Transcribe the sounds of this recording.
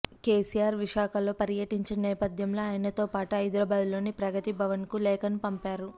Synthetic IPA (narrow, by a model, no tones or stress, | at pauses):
keːsijaːɾʋiʃaːkɐlo̞ːpɐɾjɐʈiɲt͡ʃenɛːpɐd̪ʱjɐmlo̞ːaːjnɐt̪o̞ːpaːʈuɐjd̪ɾɐːbaːd̪lo̞ːnipɾɐɡɐt̪ibʱɐʋɐnkulɛːkɐnupɐmpaːɾu